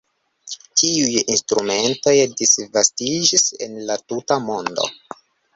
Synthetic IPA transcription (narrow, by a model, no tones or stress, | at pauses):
tʰiujinstɾume̞nto̞jdisvastid͡ʒise̞̰nlatutamo̞ndo̞̰